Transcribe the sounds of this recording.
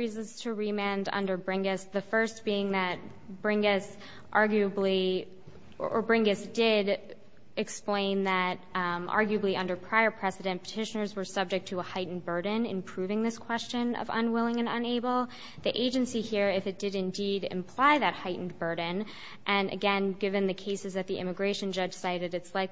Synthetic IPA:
izz̥tʰɨɹimæ̃ndʌ̰̃ndə˞bɹɪ̃ŋɡɨsðɨfɜ˞st̚b̥iɪ̃ŋðɨt̚ | b̥ɹɪ̃ŋɡɨs | ʔɑɹɡjʉɨbli | ə˞bɹɪ̃ŋɡɨsd̥ɪɾ | ɨksplẽɪ̃nðɨɾʔɑ̰ɹɡjʉəbliʔʌ̃ndə˞pʰɹ̥aɪə˞pʰɹ̥ɛsɨɾɨ̃npʰə̥tʰɪʃɨnə˞zwə˞sʌb̚d͡ʒɨk̚tʰəəhaɪʔn̩bɜ˞dⁿn̩ɨ̰̃mpʰɹ̥ʉvɪ̃ŋðɪskʰw̥ɛst͡ʃɨ̃nʌ̰və̰̃nwɪlˠɪ̃ŋɨ̃nə̰̃neɪbl̩ˠ | ðiʔeɪd͡ʒɨ̃nsihiɹɪfɨt̚d̥ɨɾɨ̃ndiɾɨ̰̃mpʰl̥aɪðɨt̚haɪʔn̩bɜ˞dⁿn̩ | ʔɨ̃nʔɨ̰ɡɛ̃nɡɪvɨ̃nðɨkʰeɪsɨzðɨt̪̚ðiʔɪ̰̃mɨɡɹeɪʃɨ̃nd͡ʒʌd̥ʒ̥saɪɾɨɾɨtslaɪk

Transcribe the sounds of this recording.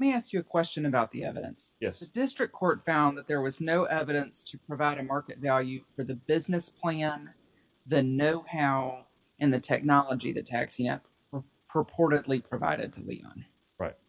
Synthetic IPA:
lɛt̚miæskjɨɨkʰw̥ɛst͡ʃɨ̃nɨbaʊt̪̚ðiɛ̰vɨɾɨ̰̃nsjɛsðɨdɪstɹ̥ɨkʰːɔɹtfãʊ̃nðɨt̪̚ðə˞wʌznoʊʔɛvɨɾɨ̃nstʰɨpʰɹ̥ɨvaɪɾɨmɑɹkɨtvælˠjʉfə˞ðɨbɪznɨspʰl̥æ̃n | ðɨnoʊhaʊ | ʔɨ̃nðɨtʰɛk̚nɑlˠəd͡ʒḭðɨ̰tʰæ̰ksĩnɛ̰ | ə | pʰɹ̥əpʰɔɹɾɨdˡlipʰɹ̥ɨva̰ɪɾɨ̰d̚tʰəlḭɑ̰̃n | ɹa̰ɪt̚

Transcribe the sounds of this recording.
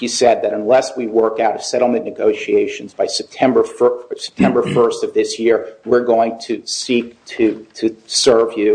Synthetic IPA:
isɛd̪̚ðɨɾə̃nlɛswiwɜ˞kaʊɾʌv̥sɛɾl̩ˠmɨ̃nɨɡoʊʃieɪʃɨn̩zbaɪsɛp̚tʰɛ̃mbə˞fsɛ̥p̚tʰɛ̃mbə˞fɜ˞stʌvðɪsjɪɹwɪɹɡoʊɪ̃ŋtʰɨsik̚tʰɨtʰɨsɜ˞vjʉ

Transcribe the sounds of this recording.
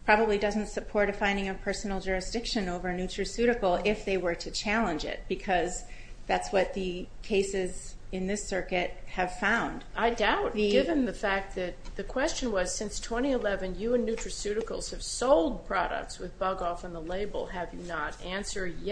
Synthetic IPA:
pʰɹ̥ɑbəblidʌz̃n̩tsɨpʰɔɹɾɨfãɪ̃ndɪ̃ŋɨpʰɜ˞sn̩l̩ˠd͡ʒʊɹɨsd̥ɪkʃɨ̃noʊvə˞nʉt͡ʃɹ̥ɨsʉɾɨkl̩ˠɪfðeɪwə˞ɾɨt͡ʃʰælˠə̃nd͡ʒɪ̰t̚b̥ɨkʰʌz | ðætswʌt̪̚ðɨkʰeɪsɪz | ɨ̃nðɪsɜ˞kɨt̚hɨv̥fãʊ̃nd̥aɪdaʊt̚ɡɪvɨ̃nðɨfæk̪̚ðɨt̪̚ðɨkʰw̥ɛst͡ʃɨ̃nwʌz̥sɪ̃nstʰw̥ɛ̃ɾ̃iɨlɛvɨ̃njɨɨ̃nːʉt͡ʃɹ̥ɨsʉɾɨkl̩ˠz̥ɨv̥soʊlˠd̚pʰɹ̥ɑɾə̰k̚tswɨðbʌɡɔfə̃nðəleɪbl̩ˠɨvjɨnəɾæ̃nsə˞dj

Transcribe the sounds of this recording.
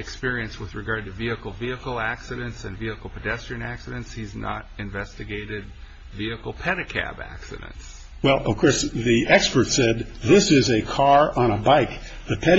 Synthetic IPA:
ɨkspɪɹiɨ̃nst̚wɨðɹɨɡɑɹd̚tɨviɨkl̩ˠviɨkl̩ˠæksɨɾɨ̃ntsɨ̰̃nviɨkl̩ˠpʰɨdɛstɹ̥iɨ̃næksɨɾɨ̃ntshiznə̰ɾɨ̃ɱvɛstɨɡeɪɾɪd̚ | viɨkl̩ˠpʰɛɾɨkʰæ̰bæ̰ksɨ̰ɾɨ̰̃nts | wɛlˠʌv̥kʰɔɹsðiʔɛkspə˞tsɛd̪̚ðɪsɪzɨkʰɑɹə̃ñəbaɪk̚ | ðɨpʰɛɾ

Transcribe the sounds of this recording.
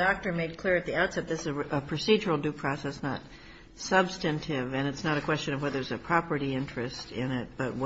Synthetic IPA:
dɑk̚tə˞meɪd̚kʰl̥ɪɹɨt̪̚ðiaʊtsɛt̪̚ðɪsɨzəpʰɹ̥ɨsid͡ʒə˞l̩ˠdʉpʰɹ̥ɑsɛsnə̰t̚ | sʌbstɨ̃ntʰɪvɨ̃nɨtsnəɾɨkʰw̥ɛst͡ʃɨ̃nʌvwɛðə˞zɨpʰɹ̥ɑpə˞ɾiɪ̃nt͡ʃɹ̥ɨstɪ̃nɪt̚b̥ʌt̚w

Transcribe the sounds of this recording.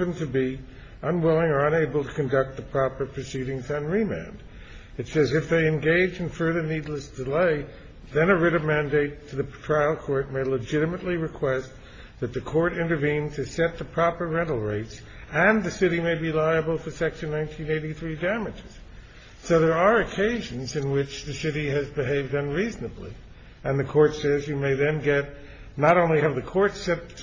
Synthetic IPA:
ɨ̃ntʰɨbi | ə̃nwɪlˠɪ̃ŋə˞ə̃neɪbl̩ˠtʰɨ̥kɨ̃ndʌk̚t̪̚ðəpʰɹ̥ɑpə˞pʰɹ̥ɨsiɾɪ̃ŋzɨ̃n̩ɹimæ̰̃nd̥ | ɨtsɛzɨfðeɪɨ̃nɡeɪd͡ʒɨ̃n̩fɜ˞ðə˞nidˡləsd̥ɨleɪ | ðɨ̃nɨɹɪɾɨmæ̃ndeɪtʰɨðɨtʰɹ̥aɪl̩ˠkʰɔɹt̚meɪləd͡ʒɪɾɨmɨtˡliɹɨkʰw̥ɛst̪̚ | ðɨt̪̚ðɨkʰɔɹɾɪ̃ntə˞vĩntʰɨsɛt̪̚ðɨpʰɹ̥ɑpə˞ɹɛ̃ɾl̩ˠɹeɪts | ɨ̃nðɨsɪɾimeɪbilaɪɨbl̩ˠfə˞sɛkʃɨ̃nːãɪ̃ntʰĩneɪɾiθɹidæmɨd͡ʒɪz̥ | soʊðə˞ə˞ɨkʰeɪʒɨ̃n̩zɨ̃nwɪt͡ʃðɨsɪɾiɨzbɨɦeɪvdʌ̃nɹiznɨblḭ | ɨ̃nðɨkʰɔɹtsɛzjɨmeɪðɨ̃nɡɛt̚ | nəɾõʊ̃nliɨvðɨkʰɔɹtsɛt̚

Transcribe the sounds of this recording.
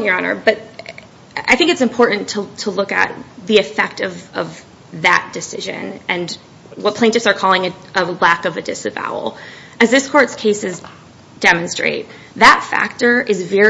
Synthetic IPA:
jə˞ɑnə̰˞b̥ʌɾ | a̰ɪθɪ̃ŋkɨtsɨ̃mpʰɔɹʔn̩tʰətʰəlʊkɨ̰t̪̚ðiɨfɛk̚tʌvʌv | ðɨ̰t̚d̥ɨsɪ̰ʒɨ̰̃nɨ̃n | wʌt̚pʰẽɪ̃tɨfsə˞kʰɔlˠɪ̃ŋɨəlækʌvɨdɪsɨva̰ʊl̩ˠ | ɨzðɪskʰɔɹtskʰeɪsɨz | d̥ɛmɨ̃nstɹ̥ḛɪt̪̚ | ðɨtfæ̰k̚tə˞ɨzvɛ

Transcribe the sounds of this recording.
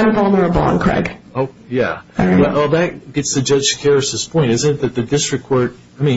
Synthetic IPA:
ɪ̃nfɑl̃ˠnə˞əbɑ̰̃nkʰɹ̥ɛ̰ɡ̥oʊjæ̰ɛwɛlˠðɨt̚ɡ̥ɛtsðɨd͡ʒʌ̥d͡ʒkʰɛɹɨðɪspʰɔ̃ɪ̃ntɪzɨ̃nɨt̪̚ðɨt̪̚ðɨdɪstɹ̥ɨkʰw̥ɔɹt̚ | aɪmĩ

